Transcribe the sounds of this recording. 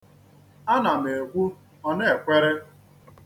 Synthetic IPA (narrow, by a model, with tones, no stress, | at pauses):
a˦na˨me˨e˨ɡʷu˦ | ɔ˦ne˦˨kʷe˦ɾe˦